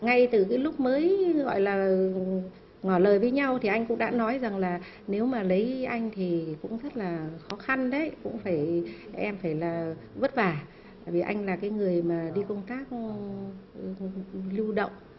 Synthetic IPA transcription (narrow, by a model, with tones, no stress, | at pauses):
ŋa˧jt̪ɨ˨˩kaː˨˦jlʊ˦˥k͡p̚məː˨˦jɣɔ̰˧˨jlaː˨˩ | ŋɔ˧˩ləː˨˩jvəː˨˦jɲa˧wt̪ʰi˨˩ʔa˧jŋ̟kʊ̰˧˥ŋ͡mɗa̰ː˧˥nɔ˨˦jza˨˩ŋlaː˨˩ | ne˨˦wmaː˨˩lə˨˦jʔa˧jŋ̟t̪ʰi˨˩kʊ̰˧˥ŋ͡mzə˦˥t̚laː˨˩xɔ˨˦xa˧nɗə˨˦jkʊ̰˧˥ŋ͡mfaː˧˩jʔɛ˧mfaː˧˩jlaː˨˩və˦˥t̚vaː˨˩ | t̪aː˧˩jvi˨˩ʔa˧jŋ̟laː˨˩kaː˨˦jŋɨ˨˩əjmaː˨˩ɗi˧kə˧wŋ͡mt̪aː˦˥k̚ | lu˧ɗə̰˧˨wŋ͡m